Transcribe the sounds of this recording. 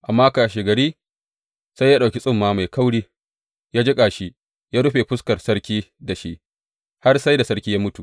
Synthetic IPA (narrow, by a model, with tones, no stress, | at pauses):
ʔa˨mːaː˦kaː˨ʃeː˨ɡɐ˨ɽiː˦ | sa˦jːaː˦ɗa˨wkʲi˦sʼɪ˦mːaː˦ma˨jka˦wɽiː˦ | jaː˦d͡ʒɪ˦kʼaː˨ʃi˦ | jaː˦ɽʊ˦ɸe˨ɸʊ˦skɐ˨rsɐ˦ɽkʲiː˦da˨ʃi˦ʔ | ha˦rsa˦jda˨sɐ˦ɾkʲiː˦jaː˦mʊ˦tu˨ʔ